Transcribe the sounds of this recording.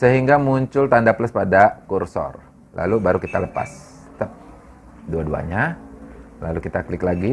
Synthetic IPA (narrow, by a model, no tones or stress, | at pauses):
səɦiŋɡamuɲt͡ʃʊlt̪andapləspadakursɔ̰r | la̰lubaɾukit̪aləpa̰s | t̪ap̚ | duadua̰ɲa | lalukit̪aklɪklaɡi